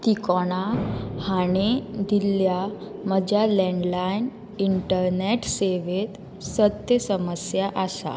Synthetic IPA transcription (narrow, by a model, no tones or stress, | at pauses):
t̪ikɔɽ̃ahaɽ̃ed̪ilja | məd͡ʑjalɛ̃ɳɖlajn | iɳʈəɾneʈseʋet̪ | sət̪jəsəməsjaʔasa̰